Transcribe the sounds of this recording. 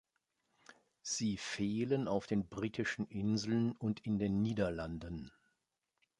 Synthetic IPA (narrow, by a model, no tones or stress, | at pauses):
z̥iːfeːlənaʊfd̥eːnbʁiːtʰɪʃn̩ʔɪnzl̩nʊntʰɪndeːnːiːdɐlandən